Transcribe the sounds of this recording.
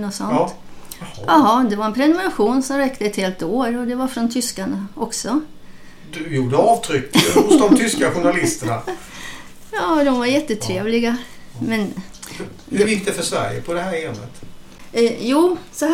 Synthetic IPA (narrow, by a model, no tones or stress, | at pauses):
nɔsɔn | ʔaɦɑːd̪ɛvaɾɛnpʰɾɛnʊmɛɾaɧuːnsɔmɾɛkt̪əɛt̪heːlt̪oːɾɔd̪ɛvaɾfɾɔnt̪ʰʏskaɳaʔɔksɔ | d̪ɵjuːɖəɑːvt̪ʰɾʏkːhʊsd̪ɔmt̪ʰʏskaɧʊɳalɪst̪əɳa | jɑːd̪ɔmvaɾjɛt̪ːət̪ʰɾeːvlɪɡa | mɛn | vjɪkt̪ɛfœʂvæ̰ɾjə̰pʰɔd̪ɛhæːɾɛmə̰t̪ː | juːsɔh